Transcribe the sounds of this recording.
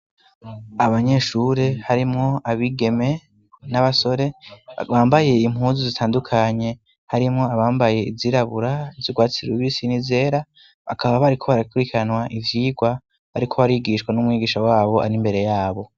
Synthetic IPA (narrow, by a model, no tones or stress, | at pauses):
aβaɲe̞ʃuːɾe̞haɾimŋo̞aβiɡe̞me̞ | naβaso̞ɾe̞βaːmbaje̞im̥huːnzizitʰaːndukʰaɲe̞ | haɾimŋo̞aβaːmbaje̞ḭziɾaβuɾaziɡwaːt͡siɾuβisinize̞ːɾa | βa̰kʰaβaβaɾikʰo̞βaɾakuɾikʰanwaʔivjiːɡwa | βaɾikʰo̞βaɾiɡiʃkwanumŋiːɡiːʃawaːβo̞ʔa̰ɾimbe̞ɾe̞jaːβo̞